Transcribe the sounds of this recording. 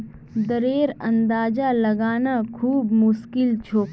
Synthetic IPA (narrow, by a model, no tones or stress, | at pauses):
d̪əɾeːɾɐ̃nd̪aːd͡ʒalɐɡaːnakʰuːbmʊʃkɪlt͡ʃʰoː